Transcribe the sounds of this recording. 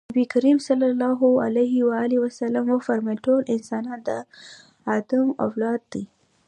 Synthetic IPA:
abikaɾimsalːalːɑɦʊa̰laɦɪwaaliwasalamafaɾmaʈolʔɪnsɑnɑnd̪ə | ɑt̪əma̰wlɑd̪̚ːi

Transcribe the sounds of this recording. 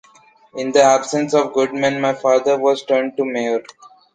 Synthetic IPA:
ɪ̃nd̪əæbsə̃nsɔːʋɡʊɖ̚mɛ̃nmaɪfaːd̪əɾʋɔːzʈəɾɳɖ̚ʈumeɾ

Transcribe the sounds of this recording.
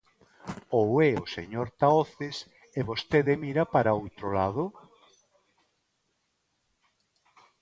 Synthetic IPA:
owɛosḛɲoɾt̪aoθes | eβost̪eðemiɾapaɾaowt̪ɾola̰ðʊ

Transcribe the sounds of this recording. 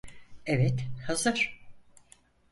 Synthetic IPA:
evɛt̪hazɯɾ̥

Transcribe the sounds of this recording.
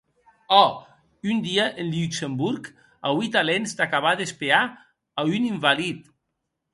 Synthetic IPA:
ɔ | ynd̪iaʔenlyksembuɾk | awit̪alenzd̪akaβ̞aðespeaː | yniɱvalit̪

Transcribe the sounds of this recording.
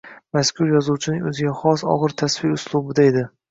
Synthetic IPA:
maskʲʰʊɾjɒzuwt͡ʃʰɪnɪŋɵzɪɡʲaχɒsɒ̰ʁɨɾt̪ʰasfɪʊslˠubɪd̪ae̞d̪ɪ

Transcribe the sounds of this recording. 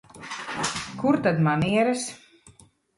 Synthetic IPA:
kuɾt̪ad̪maniɛɾɛs

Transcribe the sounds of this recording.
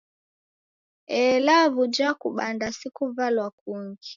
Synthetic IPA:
ɛlavud͡ʒakuɓandasikuvalwakuŋɡi

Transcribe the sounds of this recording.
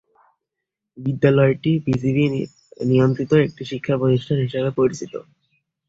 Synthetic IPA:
bid̪ːalɔeʈibisibi | nijont̪ɾit̪oek̚ʈiʃikʰːapod̪iʃʈʰanɦiʃebepoɾit͡ɕʰit̪o̰

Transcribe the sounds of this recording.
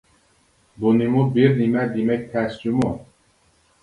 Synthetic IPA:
bunimubiɾnimæd̪imɛk̚t̪ʰæst͡ʃumu

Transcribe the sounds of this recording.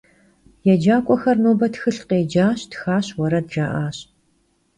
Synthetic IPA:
jɛd͡ʒaːkʷʼɔxɐrnoːbɐtxɨɬqeːd͡ʒaːɕtxaːɕwɔɾɐdʒaːʔaːɕ

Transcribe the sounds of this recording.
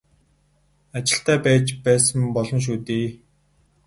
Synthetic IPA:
at͡ɕɪ̆ɬt̪æːpæːt͡ɕpæːsə̆mpɔɮɞ̆nʃ̬uːt̪iː

